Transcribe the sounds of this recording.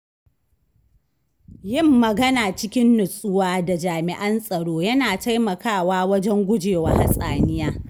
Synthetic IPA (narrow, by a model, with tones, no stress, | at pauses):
jɪ˦˨mːɐ˨ɡɐ˦naː˨t͡ʃɪ˦kʲɪ˦nːʊ˨sʼʊ˦waː˦da˨d͡ʒaː˨mɪ˨ʔɐ˦nsʼɐ˨ɽoː˦jɐ˦naː˨ta˦jmɐ˨kaː˦˨waː˦wɐ˦d͡ʒɛ˦ŋɡʷʊ˦d͡ʒeː˨wa˦ha˦sʼaː˨nɪ˦jaː˦